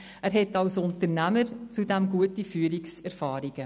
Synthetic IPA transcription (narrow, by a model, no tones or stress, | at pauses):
æːɾɦɛtɑwsʊntəɾnæməɾt͡sudɛmɡuətifyːɾiksɛɾfaːɾiɡ̥ə